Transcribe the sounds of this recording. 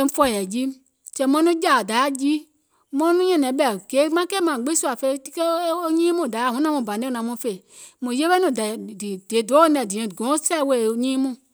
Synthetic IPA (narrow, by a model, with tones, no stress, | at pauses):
fɔ˧˦˨jɛ˨d͡ʒi˦ | t͡ʃɛ̃˧mɔ̃˦nũ˦d͡ʒa˨da˨˦a˦˨d͡ʒi˦ | mɔ̃˦nũ˦ɲɛ̃˦˨nɛ̃˨˦ɓɛ˨ɡ̥e˨˦mã˦kɛː˦˨mã˨ɡ͡bi˦su˦a˨fe˧˨˦ti˦ke˦o˦ɲĩː˦mũ˦˨da˨˦a˦˨hũ˨˦nã˦mũ˧˨bã˨nẽ˦˨˦nã˨˦mũ˧˦fe˨ | mũ˨je˦ɓe˦nũ˨dɛ˨di˨d̥e˨do˨˦o˦nɛ̃˨di˨ɛ̃˨ɡɔ̃˨˦sɛ˦˨˦we˧˨ɲĩː˦mũ˦˨